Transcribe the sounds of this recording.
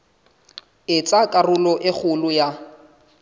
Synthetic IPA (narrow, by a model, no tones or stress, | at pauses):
ɪt͡sʼakʼarʊlɔʔɪk͡xʰʊlʊja